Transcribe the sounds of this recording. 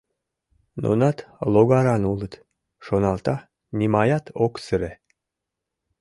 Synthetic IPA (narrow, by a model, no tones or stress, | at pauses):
no̰nɑt̪loɣɑɾɑnulət̪ | ʃonɑlt̪ɑ | nʲimɑjɑt̪ʰoksəɾe